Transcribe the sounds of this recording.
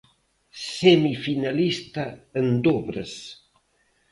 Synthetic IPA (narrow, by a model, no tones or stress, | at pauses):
semifinalist̪aend̪ɔβɾəs